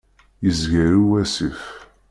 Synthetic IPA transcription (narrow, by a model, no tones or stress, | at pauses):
jəzʝæɾuæsif